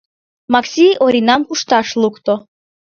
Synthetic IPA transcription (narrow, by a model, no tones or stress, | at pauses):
maksʲiʔoɾinamkuʃt̪aʃlˠukt̪ɔ